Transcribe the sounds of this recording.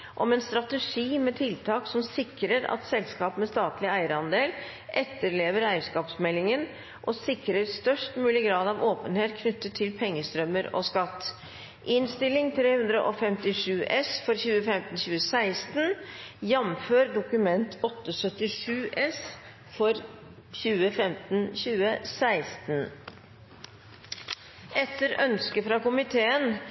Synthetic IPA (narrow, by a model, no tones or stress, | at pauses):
ʔɔmɛnst̪ɾɑt̪əʂiːmɛt̪ʰɪlt̪ʰɑːksɔmsɪkɾəɾɑ̰t̪sɛlskɑːpmɛst̪ɑːt̪lɪæɪəɾəɑnd̪eːl | ʔɛt̪ːəɾɭeːʋəɾæɪəskɑːpsmɛlːɪŋən | ʔɔsɪkɾəɾst̪œʂʈmʉːlɪɡɾɑːd̪ɑʋoːpənheːt̪̚kʰnʏt̪ːət̪ʰːɪlpʰɛŋːəst̪ɾœmːəɾɔ̰skɑt̪ː | ʔɪnst̪ɪlɪŋt̪ʰɾeːhʉnd̪ɾə̰ʔɔfɛmt̪ɪʂʉːʔɛsfɔɾçʉːəfɛmt̪n̩çʉːəsæɪst̪njɛmføːɾd̪ʊkʉmɛnt̪ʰɔt̪ːəsœt̪ːɪʂʉːʔɛs | fɔɾ | çʉːəfɛmt̪nçʉːəsæɪst̪n | ʔɛt̪ːəɾœ̰nskəfɾɑkʊmɪt̪ʰeːən